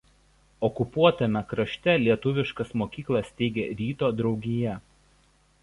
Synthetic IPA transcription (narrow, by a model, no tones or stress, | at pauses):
ɔkʊpuɔt̪ɐmʲɛkɾɐʃʲt̪ʲɛlʲiɛt̪ʊʋʲɪʃkɐsmoːkʲiːklˠɐst̪ʲɛɪɡʲeːɾʲiːt̪oːd̪ɾɒʊɡʲɪjɛ